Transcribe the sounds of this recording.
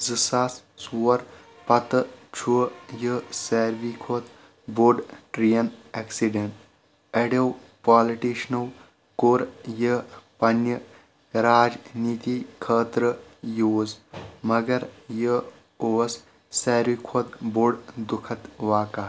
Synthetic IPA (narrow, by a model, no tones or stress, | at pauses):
zɨsaːssuːɐɾ | pɐt̪ət͡ʃʰujəseːɾʋikʰoːt̪ | boɾɖʈɾijɐneksiɖeɳʈ | eɽew | paːliʈiːʃnɐw | koɾjəpɐnjə | ɾaːd͡ʒniːt̪ikʰəːt̪ɾəjoːzmɐɡɐɾjə | oːs | seːɾʋikʰoːt̪boɖd̪ukʰɐt̪ʋaːkaː